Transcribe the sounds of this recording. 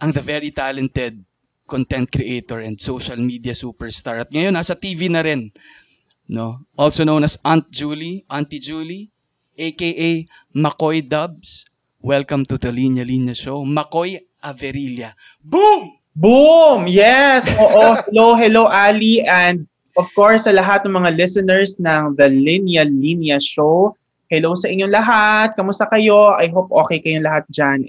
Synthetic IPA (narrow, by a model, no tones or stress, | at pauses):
ʔɐŋðɐvɛɹit̪alɛ̃nt̪ɛd̪̚ | kont̪ɛ̃nt̪̚kɾiʔejt̪oɹɛ̃nd̪sowʃɐlmid̪iɐsuːpɛɹst̪aɹɐt̪̚ŋɐjonːasɐt̪iːvinɐɾɛn | noʔolsonownɐsʔant̪̚d͡ʒuliʔant̪id͡ʒuːli | ʔekejʔej | mɐkojd̪ɐb̚s | wɛlkɐ̃mt̪uðɐlinɐlinjɐʃowmɐkoj | ʔɐvɛɾiljɐ | bum | bumjɛsʔoːʔohɛlowɦɛlowʔaliʔɛ̃nd̪̚ | ʔɔfkoɹsːɐlɐɦat̪̚nɐŋmɐŋalɪsɛnɛɹsnɐŋðɐlinjɐlinjɐʃow | hɛlowsɐʔɪɲːoŋlɐɦat̪̚kɐmʊst̪ɐkɐjo̞ʔɐjɦop̚ʔo̞ːkɛjkɐjoŋlɐɦat̪̚d͡ʒan